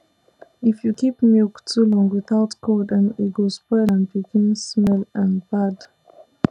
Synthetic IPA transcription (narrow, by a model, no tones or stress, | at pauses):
ɪfjukʰipmulktʰulɔ̃ŋɡwɪθaʊtkʰodə̃niɡospɛlə̃nbikʰẽmsmɛlə̃nbad